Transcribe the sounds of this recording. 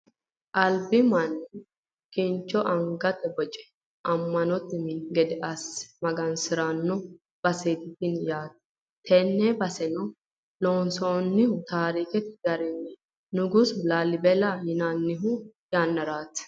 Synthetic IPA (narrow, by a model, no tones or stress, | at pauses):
ʔɐlbɪmɐnː | kɪnt͡ʃːɔʔɐŋɡɐt̪ɛbɔt͡ʃʼɛ̥ | ʔɐmːɐnɔt̪ːɪmɪɡɛd̪ɛʔɐsmɐɡɐnsɪɾaːnːɔ | b̥ɐseːt̪ɪt̪ɪnjaːt̪ | t̪ʰɛnːɛbɐsɛnɔ | loːnsoːnːɪhʊt̪aːɾiːkɛt̪ɪ̥ɡɐɾɛnɛ | nʊɡʊsʊlaːlɪbɛlahɪnanːɪɦʊjaːnːɐɾaːt̪ː